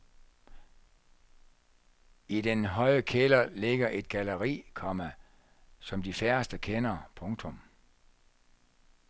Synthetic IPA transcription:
id̥enɦɒ̽ɪ̰əkʰelɐle̝ɡ̥ɐʔe̝d̥̚ɡ̥æləʁḭːkʰɒ̽mæ | sɒ̽md̥ifæɐsd̥əkʰenɐpʰɔ̽ŋt͡sʰɔm

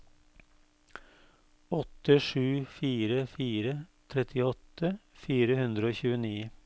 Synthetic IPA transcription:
ɔt̪ːəʂʉːfiːɾəfiːɾət̪ʰɾɛt̪ʰɪɔt̪ʰːəfiːɾəhʉnd̪ɾəoːçʉːəniː

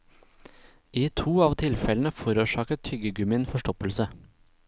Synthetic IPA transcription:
iːt̪ʰuːɑːʋt̪ʰɪlfɛln̩əfɔɾuːʃɑːkət̪hʏɡəɡʉmɪnfɔʂʈɔpəlsə

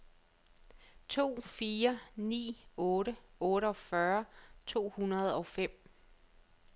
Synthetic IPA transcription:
t͡sʰo̝̰ːfiːɐnḭːɔ̽ːɾəɔ̽ːɾəɒ̽fɶɐt͡sʰo̝̰ːhunɐð̞̩ˠɒ̽fem̰

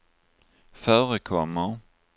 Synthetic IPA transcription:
fœːɾəkʰɔmːa

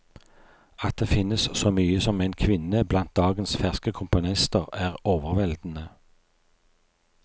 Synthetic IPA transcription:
ɑt̪̚d̪eːfɪnəssoːmyːəsɔmæɪnkʰʋɪnəblɑnt̪̚d̪ɑːɡənsfæʁskəkʰʊmpʊnɪst̪əʁæːʁoːʋəʁʋɛld̪n̩ə

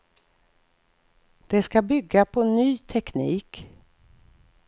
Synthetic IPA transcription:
d̪̥ɛskabʏɡːapʰɔnyːt̪ʰɛknḭːk

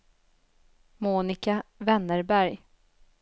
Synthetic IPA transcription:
muːnɪkavɛnːəɾbæɾj

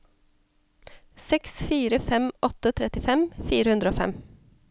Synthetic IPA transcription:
sɛksfiːɾəfɛmʔɔt̪ət̪ʰɾɛt̪ɪfɛmfiːɾəhʉnd̪ɾoːfɛ̰m

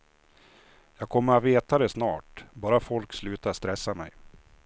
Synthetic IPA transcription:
jɑːɡkʰɔmːəɾat̪veːt̪ad̪ɛsnɑːʈbɑːɾafɔlkslʉ̟ːt̪aɾst̪ɾɛsːamɛ̰j

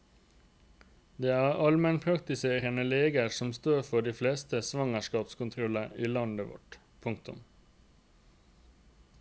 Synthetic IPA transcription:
d̪eːæːɾɑlmɛnpʰɾɑkt̪ɪseːɾənəleːɡəsɔmst̪oːɾfɔɖiːfleːst̪əsʋɑŋəʃkɑːpskʊnt̪ʰɾɔləiːlɑnd̪əʋɔ̰ʈ | pʰʊŋk̚t̪ʊ̰m

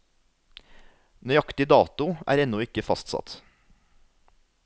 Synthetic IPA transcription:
nœɑkt̪ɪd̪ɑːt̪ʊʔæ̰ːɾɛnɔɪkəfɑ̰st̪sɑ̰t̪

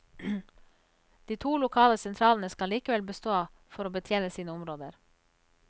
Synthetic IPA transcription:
d̪̥iːt̪ʰuːlʊkʰɑːləsɛnt̪ʰɾɑːlən̩əskɑliːkəʋɛlbəst̪oː | fɔɾoːbət̪ʰjeːnəsiːnəʊmɾoːd̪əɾ

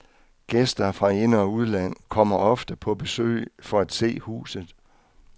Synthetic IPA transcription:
ɡ̥esd̥ɐfʁɑ̈e̝nəɒuð̞ˠlæn̰kʰɒ̽m̰ɐɒ̽fd̥əpʰɒ̽b̥e̝sø̰ɪfɒ̽æd̥se̝̰ːhṵːsð̩ˠ

